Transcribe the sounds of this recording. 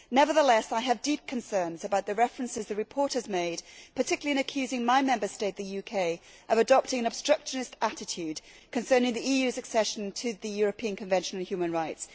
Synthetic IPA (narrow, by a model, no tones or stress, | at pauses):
nɛvə˞ðəlɛsaɪɨvdip̚kʰɨ̃nsɜ̃˞nzɨbaʊt̪̚ðɨɹɛfɹə̃nsɨzðɨɹɨpʰɔɹtɨzmeɪdpʰə˞tʰɪkjl̩ˠiɨ̃ñɨkʰj̥ʉzɪ̃ŋmaɪmɛ̃mbə˞steɪt̪̚ðɨjʉkʰeɪ | ʔʌvɨdɑp̚tɪ̃ŋɨ̃nəb̥stɹ̥ʌkʃɨnɨstæɾɨtʰʉd̚ | kʰɨ̃nsɜ̃˞nɪ̃ŋðiijʉzɨksɛʃn̩tʰɨðɨjʊɹɨpʰĩɨ̃nkʰɨ̃ɱvɛ̃nʃə̃n̩ən̩ˠhjʉmə̃nɹaɪts